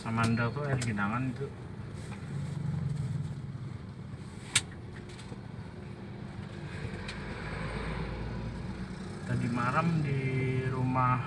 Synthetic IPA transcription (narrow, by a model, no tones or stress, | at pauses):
amandɔt̪ualɡinaŋanit̪u | t̪adimaɾəmdiɾuma